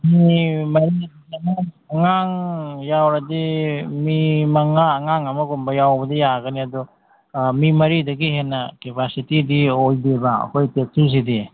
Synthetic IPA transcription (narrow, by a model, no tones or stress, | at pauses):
mimɐɾidɐɡiɐma | ɐŋaŋjawɾɐdimimɐŋaːŋaŋɐmɐɡombɐjawbɐdɐjaɡɐniɐdɔ | mimɐɾidɐɡiɦenːɐkepasitidiojdebɐɐ̰kʰojtek̚tʰis̬idi